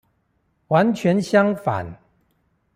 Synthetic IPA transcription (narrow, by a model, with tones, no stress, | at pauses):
wa˧˦˥nt͡ɕʰɥɛ˧˥nɕjɑ˥ŋfa̰˨˩˦n